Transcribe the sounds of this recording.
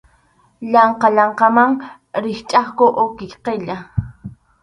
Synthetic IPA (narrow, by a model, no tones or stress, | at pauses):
ʎɑɴqɑʎɑɴqɑmaŋ | ɾɪχt͡ʃʼaχkoʔokɪkqeʎa